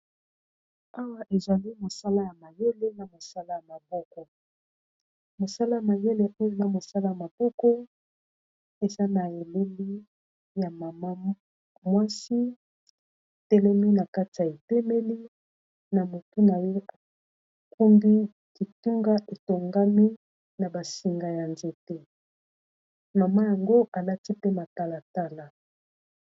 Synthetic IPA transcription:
a˦wa˦ʔe˨zwa˨li˦mo˨sa˦la˦ja˨ma˨je˦le˦na˨mo˨sa˦la˦ja˨ma˨bɔ˦kɔ˨ | mo˨sa˦la˦ja˨ma˨je˦le˦ʔo˦jo˨na˨mo˨sa˦la˦ja˨ma˨b̥ɔ˦kɔ˦ | e˨za˦na˨e˨le˦li˦ | ja˨ma˨ma˦ | mwa˦si˦˨ | te˦le˦mi˦na˨ka˦ti˨ja˨e˨tɛ˦me˦li˦ | na˨mo˨tu˦na˨jo˦a˨ | ku˦mbi˦ | ki˨tu˦ŋɡa˦ʔe˨to˨ŋɡa˦mi˦ | na˨ba˨si˨ŋɡa˨ja˨nze˨te˦ | ma˨ma˦ja˨ŋɡo˦ʔa˨la˦ti˦pe˦ma˨ta˦la˨ta˦la˨

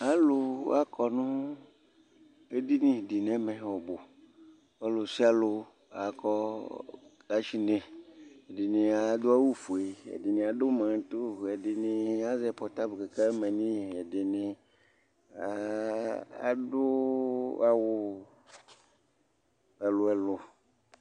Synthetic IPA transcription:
a˦lo˨a˦kʰɔ˨nũ˦ | e˦di˦nĩ˦˨ɖi˨nɛ̃˦mẽ˨wɔ˨bo˨ | a˦lo˨si˦a˦lo˨ | a˨kɔ˦ | ɡa˨t͡ʃi˦nẽ˨e˨de˨nẽ˨a˨˦d̪o˦a˦wu˦fu˨e˨ḛ˨di˨nĩ˨a˨ɖo˦mã˨˦t̪o˦˨e˨di˨nĩ˨a˦zɛ˨pɔ˨t̪a˦bke˨ka˦mɛ̃˨nĩ˦˨e˨ɖe˨nɪ̃˨ | a˨˦ | a̰˨do˦ | a˨wʊ˦ | ɛ˨lo˨ɛ˨lo˨

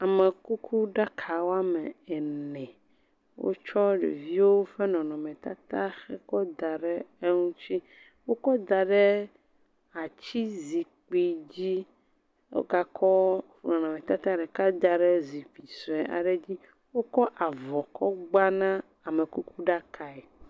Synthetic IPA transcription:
a˨me˨ku˦kʰu˦ɖa˦kʰa˨wo˦a˦mɛ˨ɛ˨nɛ̃˨ | wo̰˦t͡ʃɔ˦ɖḛ˨vi˦wo˦fe˦nɔ̃˨nɔ̃˨mɛ̃˨t̪a˦t̪a˦xɛ˦kɔ˦d̪a˨ɖɛ˦e˦ŋũ˦t͡ɕi˦ | wo˦kɔ˦d̪a˨ɖɛ˦ | a˨t͡ɕi˦zi˨k͡pi˨d͡ʑi˦ | wo̰˦ɡa˦kʰɔ˦fnɔ̃˨nɔ̃˨mẽ˨t̪a˦t̪a˦ɖɛ˨ka˦d̪a˨ɖɛ˦zi˨ɸi˨sɔ˨ɛ˨ʔa̰˨ɖe˦d͡ʑi˦ | wo˦kɔ˦ʔa˨vɔ˨kʰɔ˦ɡ͡ba˦nã˦ | a˨me˨ku˦ku˦ɖa˦kʰa˨ɛ˨

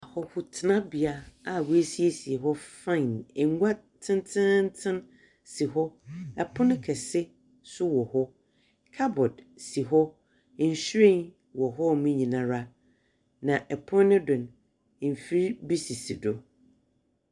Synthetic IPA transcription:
a˨hɔ˦hʊ˨tʰɪ˦nã˦bi˨a˦a˨wu˨˦e˦si˦e˦si˨e˨ɦɔ˦fã˦˨nɛ˨ŋ˦ɡʷa˦ | tʰɪ̃˦ntʰɪ̃˦n̩˦tʰɪ̃˦n | si˨ɦɔ˦ɛ˨pʰʊ̃˦nɪ̃˦kʰɛ˨sɪ˦ | sʊ˦wɔ˨hɔ˦ | kʰa˦bɔ˨d | si˨ɦɔ˦˨ | n̩˨ɕɾẽ˦n | wɔ˨ɦɔ˦mũ˦ɲĩ˨nã˨ɾa˦ | nã˨ʔɛ˨pʰʊ̃˦nː˦ɪ̃˦dʊ̃˨n˨ | m̩˨fi˦ɾi˦bi˦si˨si˨dʊ˨

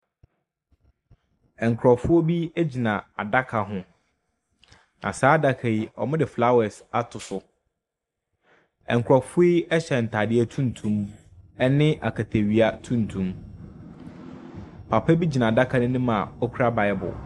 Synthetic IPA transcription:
ɛ˨ŋ˨kʰɾɔ˨fʊ˦ɔ˦bi˦e˦d͡ʑi˨nã˨a̰˨da˦kʰa˨ɦʊ̃˦ | nã̰˨saː˨˦da˦kʰa˨i˦ɔ̰˨mɪ̃˦dɪ˨fla˦wɛ˨sa˦tʰʊ˨sʊ˨ | ɛ̰̃˨ŋ̩˨kʰʊ˨ɾɔ˨fʊ˦i˦ɛ˦ɕɛ˨n̩˨tʰa˨dɪ˦ɛ˦tʰũ˦n˨tʰũ˦mɛ˦nɪ̃˦ʔa̰˨kʰa˨tʰe˨ɥi˨a˦tʰũ˦n˨tʰũ˨˦m | pʰa˨pʰɛ˦bi˦d͡ʑi˨nã˨da˦kʰa˨nʊ̃˦nɪ̃˦mã˨ɔ˦kʰu˦ɾa˦ba˨ɛ˦bʊ̰˨

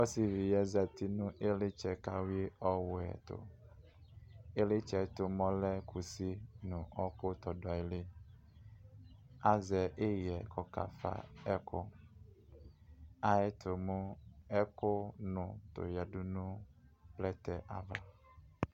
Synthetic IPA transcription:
ɔ˦si˨vi˨jɛ˦zɛ˨t̪i˦nũ˦ʔe˦le˦t͡ʃɛ˨ka˦we˦ɔ˦wʊ˨ɛ̰˨t̪o̰˨ | e˦le˦t͡ʃɛ˨t̪o˨mɔ̃˦lɛ˦kʰu˨si˦nũ˨ʔɔ˦ko˦t̪ɔ˨dɔ˨ɛ˨le˦ | a˨zɛ˨ʔe˦jɛ˨kɔ˨ka̰˨fa̰˦˨ɛ˦kʊ̰˦ | a˨ɛ˦t̪ʰo˨mũ˦ɛ˦kʊ˦nʊ̃˨t̪o̰˨ja˨du˦nũ˦plɛ˦t̪ɛ˨ʔa˨va˨

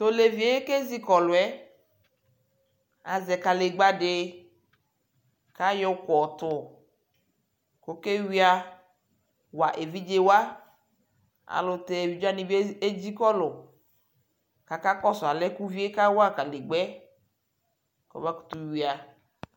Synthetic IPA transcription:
t̪o˦le˨vi˨e˦je˦ke˦zi˦kɔ˨lʊ˨ɛ˦ | a̰˨zɛ˨ka˨le˨ɡ͡ba˦ɖɪ˦ | ka˦jɔ˦kɔ˨t̪ʊ˨ | ko˦ke˦wi˦a˦ | wa˨ʔe˨vi˦d͡ʒe˦wa˦ | a̰˨lʊ˨t̪ɛ˨e˨vi˨˦d͡ʒa˦nĩ˨bi˦e˦d͡ʑi˦kɔ˦lʊ˨ | ka˨ka˦kɔ˦sʊ˨a˨lɛ˦ku˦vi˦e˦ka˦wa˦ka˨le˨ɡ͡bɛ˦ | kɔ̰˨ba˦ku̥˨t̪u˦wi˨a˨

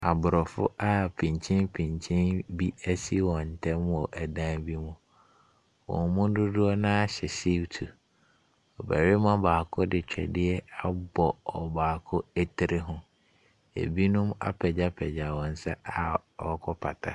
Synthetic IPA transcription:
a˨bʊ˨ɾɔ˨fʊ̰˦a˦pʰĩ˨ɲt͡ɕʰĩ˦npʰĩ˨ɲt͡ɕʰĩ˦nbi˦æ˦si˦wɔ̃˨n̩˨tʰɛ̃˦m˦ɔ˨ʔæ˨dã˦bi˦mũ˨ | wɔ̰̃˨mmʊ̃˦dʊ˦dʊ˦ɔ˦nã˦a˦ɕɛ˨si˦wtʰu˨ | ɔ˨bæ˨ɾɪ˦mã˦baː˨kʰʊ˦dɪ˨t͡ɕᶣɛ̰˨dɪ˦ɛ˦a˦bɔ˨ɔ˨baː˨kʰʊ˦æ˦tʰɪ˨ɾʔɪ˦ɦʊ̃˦ | ḛ˨bi˦nʊ̃˦ma̰˦pʰɛ˨d͡ʑa˦pʰɛ˨d͡ʑa˨wɔ̃˨n̩˨sɛ˦a˨ɔ˦kʰɔ˦pʰa̰˨tʰa̰˦

